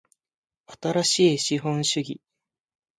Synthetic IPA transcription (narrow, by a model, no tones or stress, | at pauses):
at̪aɾaɕiːɕiɦõ̞ɰ̃ɕɨɡʲi